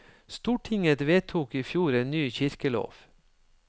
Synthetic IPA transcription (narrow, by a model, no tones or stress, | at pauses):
st̪uːʈʰɪŋət̪ʋeːt̪ʰuːkiːfjuːɾeːnːyːçɪɾkəlo̰ːʋ